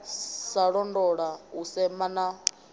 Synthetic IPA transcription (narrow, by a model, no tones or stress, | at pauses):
saɺɔndɔɺausɛmana